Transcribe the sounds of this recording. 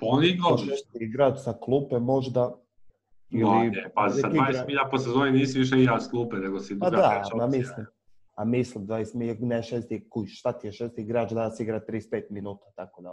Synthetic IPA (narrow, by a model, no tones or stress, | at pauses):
pooniiɡooʃest̪iɡɾaːt͡ʃsaklˠupemo̞ʒd̪a | imliepaesad̪iajɡesmiʎaposezoniniːsiʋiʃ̬eiɡɾasklˠuːpɛneɡosid̪pad̪amamislim | amislimd̪vajest̪mineʃest̪ikuiʃst̪at̪ijeʃest̪iɡɾaːt͡ʃd̪asiɡɾat̪ːɾispeːt̪minuːt̪ḁt̪akod̪a